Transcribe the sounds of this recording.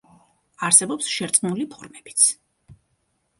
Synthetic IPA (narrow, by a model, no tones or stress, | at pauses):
aɾsɛbɔpsʃɛɾt̪sʼnulipʰɔɾmɛbi̥t̪sʰ